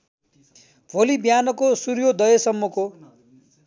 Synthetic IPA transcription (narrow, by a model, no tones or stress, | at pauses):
bʱolibjanʌkosurjod̪ʌjʌsʌmːʌko